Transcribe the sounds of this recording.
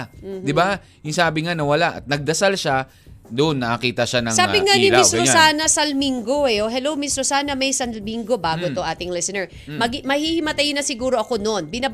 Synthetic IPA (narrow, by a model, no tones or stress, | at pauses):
d̪ɪba | jɪŋsaːbɪŋanɐwɐlaʔɐ̰t̪̚nɐɡ̚d̪ɐsalʃa | d̪oʔnːɐʔɐkiːt̪ɐʃanɐŋsaːbɪŋanɪɪsɾosaːnɐsɐlmiŋɡo̞ɛoɦɛlowmɪsɾosaːnɐmɐjsɐnlmiŋɡo̞baɡot̪oʔaːt̪ɪŋlɛsɛnɛɹ | mɐɡmɐhihɪmɐt̪ajnɐsɪɡuːɾoʔɐko̞no̞npɪna